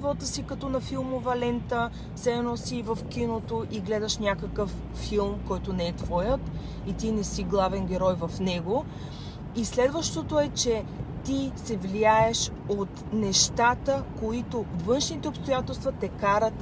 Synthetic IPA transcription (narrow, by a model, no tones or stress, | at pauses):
vɔt̪əsikɐt̪ɔnɐfilˠmovɐlɛnt̪ə | sɛnɔsivəfk̟inot̪oʔiɡlɛd̪əʃnʲakəkəfː | ilˠmkɔjt̪onɛɛt̪vɔjət̪ | it̪inɛsiɡlˠavɛnɡʲɛɾɔjvɐfnɛɡo | islɛd̪vəʃt̪ot̪oɛt͡ʃɛt̪isɛvliaɛʃ | ot̪nɛʃt̪at̪əkoit̪ovɤnʃnit̪ɛopst̪ojat̪ɛlˠst̪vɐt̪ɛkaɾət̪